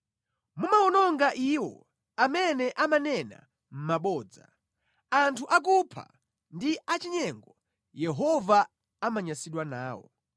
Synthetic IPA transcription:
mumaɔnɔŋɡaʔiwɔ̰ | amɛnɛʔamanɛna̰ | m̩maɓɔːd͡za̰ | antʰuʔak̬upʰa̰ | ndiat͡ʃiɲɛŋɡɔ | jɛɦɔva | amaɲasiɗwana̰ːwɔ̰

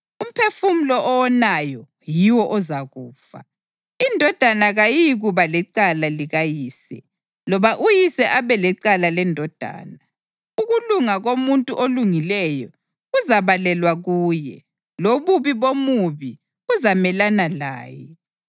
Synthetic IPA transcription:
um̩pʰefum̩lɔʔɔwɔnajɔ | jiwɔʔɔzaɣuːfa̰ | indʱɔd̥ʱanaɣajiɣuβalɛǀalaliɣajiːsɛ | lɔβaʔujisɛʔaβɛlɛǀalalɛndʱɔd̥ʱa̰ːna | uɣuluŋaɣomuntʼuʔoluŋilɛjɔ | ɣuzaβalɛlwaɣuːjɛ̰ | loβuβiβomuβi | ɣuzamɛlanala̰ːjɛ̰

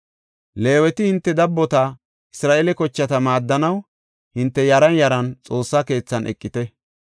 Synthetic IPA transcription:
le̞ːwɛt̪ɪhɪnt̪ːɛd̪ɐbːɔt̪ɐ | ɪsɾaːʔelɛkɔt͡ʃːɐt̪ɐmaːd̪ːɐnɐw | hɪnt̪ːɛjɐɾɐnjɐɾɐnt͡sʼo̞ːsːɐke̞ːt͡sːɐnʔɛ̰kʼːɪt̪ɛ

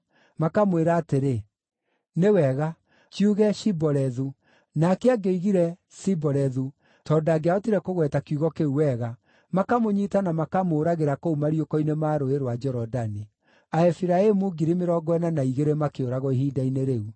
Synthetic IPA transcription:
makamweɾaːteɾe | newɛɣa | kiuɣɛʃibɔɾɛðu | nakeaɡeiɣiɾɛ | sibɔɾɛðu | tɔːdaɡeaotiɾɛkoɣwɛtakjuɣɔkeuwɛɣa | makamoɲitanamakamoːɾaɣeɾakoumaɾiokɔinemaːɾoeɾwad͡ʒɔɾɔdani | aɛfiɾaemuɡiɾimeɾɔɡɔɛnanaiɣeɾemakeoɾaɣɔiɦiːdaineɾeu

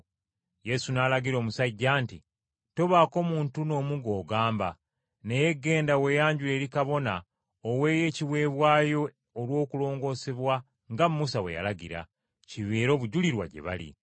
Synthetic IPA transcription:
je̞sunaːlaɡiɾo̞ːmusaɟːaːnti | to̞βaːko̞muːntuno̞ːmuɡo̞ːɡaːmba | ne̞je̞ɡːe̞ːndawe̞jaːɲɟule̞ːɾikaβo̞na | owe̞ːje̞ːciwe̞ːβwaːjo̞ː | lwo̞ːkulo̞ːŋɡo̞ːse̞βwa | ŋɡammːusawe̞̰ja̰laɡḭɾa̰ | ciβeːɾo̞ːβuɟuliɾwa̰ɟe̞̰βa̰lḭ

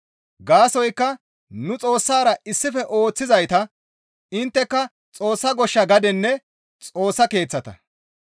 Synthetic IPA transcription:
ɡaːsɔjkːɐ | nʊt͡sʼo̞ːsːaːɾɐɪsːɪfɛʔo̞ːt͡sːɪzɐjt̪ɐ | ɪnt̪ːɛkːɐ | t͡sʼo̞ːsːɐɡɔʃːɐɡɐd̪ɛnːɛ | t͡sʼo̞ːsːɐke̞ːt͡sːɐt̪ɐ̰

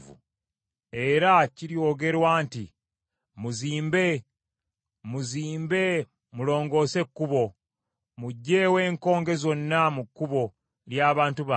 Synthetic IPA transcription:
vṵ | e̞ɾaciɾio̞ːɡe̞ɾwaːntḭ | muziːmbe̞ | muziːmbe̞ | mulo̞ːŋɡo̞ːse̞kːuβo̞ | muɟːeːwe̞ːŋko̞ːŋɡe̞zo̞nːamukːuβo̞ | ljaːβaːntuβa

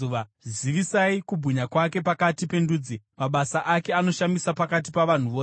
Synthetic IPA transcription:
uʋaziʋisaikubʱuɲakwake̞pakatipe̞nduːd͡zi | maɓasaʔake̞ano̞ʃamisapakat̬ipaʋan̤uʋoː

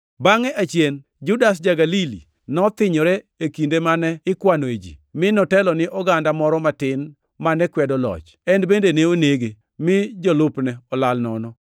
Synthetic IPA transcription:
baŋɛʔat͡ʃjen | d͡ʒʊdas̬d͡ʒaɡalilḭ | nɔt̪ɪɲɔɾe | ekindemanɛɪkwaned͡ʒḭmɪnɔtɛlɔnɪʔɔɡandamɔɾɔmatɪn | manɛkwɛdɔlɔ̰t͡ʃ | ɛnbendeneoneɡe | mɪd͡ʒɔlʊpnɛɔlalnɔnɔ

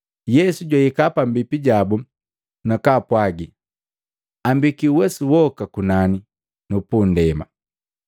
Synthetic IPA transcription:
jɛsuɟwaikapam̩bipiɟabu | nakapwaɡi | ambikiuwɛsuwɔkakunani | nupundɛma̰

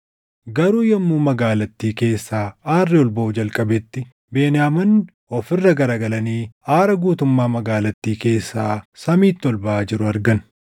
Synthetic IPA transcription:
ɡɐɾuːjɐmːuːmɐɡaːlɐt̪ːiːke̞ːsːaːaːrːɪɔlbɐʔʊd͡ʒɐlkʼɐbɛt̪ːɪ | be̞ːnɪjaːmɐn | ɔfɪrːɐɡɐɾaːɡɐlɐniːaːɾɐɡuːt̪ʊmːaːmɐɡaːlɐt̪ːiːke̞ːsːaːsɐmiːt̪ːɔlbɐʔaːd͡ʒɪɾʊɐɾɡɐn

